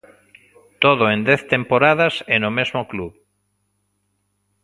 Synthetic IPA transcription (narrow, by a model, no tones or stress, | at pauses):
t̪oð̞oend̪ɛθt̪empoɾaðasɛnomezmokluβ